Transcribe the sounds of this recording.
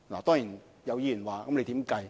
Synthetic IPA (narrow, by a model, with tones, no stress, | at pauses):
laː˨˩t̪ɔː˥ŋjiː˨˩n | jɐ˨˧wjiː˧jyː˨˩nwaː˨kɐ˨˥mnle˨˧jt̪iː˨˥mkɐ˧j